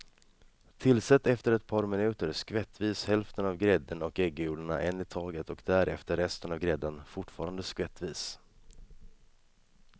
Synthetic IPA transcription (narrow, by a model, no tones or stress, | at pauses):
t̪ʰɪlsɛt̪ːɛft̪əɾɛt̪̚pʰɑːɾmɪnʉ̟ːt̪əɾskvɛt̪ːviːshɛlft̪ənavɡɾɛd̪ːənɔkɛɡːjuːləɳa̰ʔɛnːɪt̪ʰɑːɡət̪ɔkd̪æɾʔɛft̪əɾːɛst̪ənavɡɾɛd̪ːənfʊʈːfɑːɾand̪əskvɛt̪ːviːs